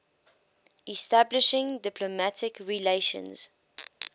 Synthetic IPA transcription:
ɛstablɪʃɪ̃ŋdɪpʰlomatʰɪkɹileɪʃə̰̃nz̥

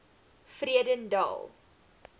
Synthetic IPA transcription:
friədəndɑ̰ːlˠ

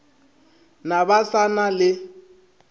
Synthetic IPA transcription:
nabasanalɪ

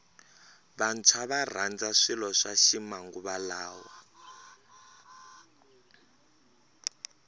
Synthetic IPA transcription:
βant͡sʰaβar̤and͡zaʂilɔʂaʃimaŋɡuβalaːwa

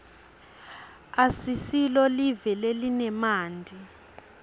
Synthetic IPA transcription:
asisilɔlivɛlelinɛmaːndʱi

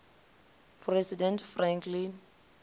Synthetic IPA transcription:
pʰrɛsidɛntfrãŋkʰlin

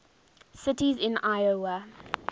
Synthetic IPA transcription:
sɪtizɪ̃najowə

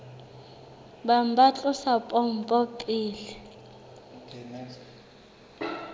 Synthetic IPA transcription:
bambʱat͡ɬʼʊsapʼɔm̩pʼɔpʼiːlɛ

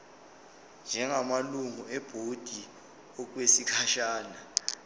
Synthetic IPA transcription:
nd͡ʒʱɛŋamaluŋuɛb̥ʱod̥ʱi | ɔk̬wesikʰaʃaːna

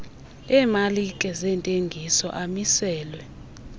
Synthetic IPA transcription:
ɛmalikʼɛzɛntʼeŋɡʱisɔʔamisɛːlwɛ

